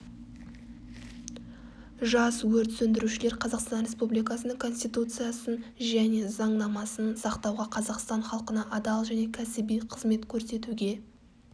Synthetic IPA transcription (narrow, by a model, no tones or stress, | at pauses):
ʒɑswɵɾt̪sɵnd̪ɪɾuʃɪleɾqʰɑzɑqst̪ɑnɾʲe̞spublijkɑsənəŋkʰo̞nst̪ijt̪ut̪sɨjasənʒæne̞zɑɴnɑmɑsənsɑqt̪ɑwʁɑqʰɑzɑqst̪ɑɴχɑlˠqənɑʔɑd̪ɑlˠʒæne̞kʲʰæsɪbijqʰəzme̞t̪kʲʰɵɾse̞t̪uɡʲe̞